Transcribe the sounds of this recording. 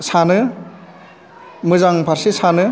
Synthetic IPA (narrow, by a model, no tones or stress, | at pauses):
sanɯ | mɯzaŋpʰaɾsisanɯ